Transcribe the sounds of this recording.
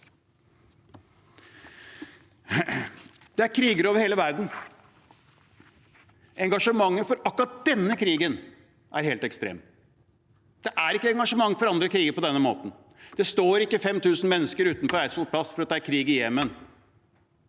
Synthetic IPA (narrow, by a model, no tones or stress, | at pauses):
d̪̥ɛæɾkʰɾiːɡəɾoːʋəɾheːləʋæɾd̪n̩ | ʔɛŋɡɑʂəmɑŋːəfɔɾɑkːɾɑt̪̚d̪̥ɛnːəkʰɾiːɡən | ʔæɾheːlt̪ɛkst̪ɾḛːm | d̪̥ɛʔæɾɪkːəɛŋɡɑʂəmɑŋːfɔɾɑnd̪ɾəkʰɾiːɡəɾpɔd̪ɛnːəmo̰ːt̪n̩ | d̪̥ɛst̪oːɾɪkːəfɛmt̪ʰʉːsn̩mɛnːəskəɾʉːt̪nfɔɾæɪsfɔlpʰlɑsfɔɾɑt̪d̪æɾkʰɾiːɡɪjeːmən